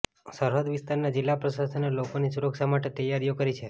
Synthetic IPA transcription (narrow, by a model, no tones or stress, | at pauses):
səɾɦəd̪ʋist̪aɾnad͡ʒilːapɾəsasənelokonisuɾəksamaʈet̪əjːaɾijokəɾit͡ʃʰe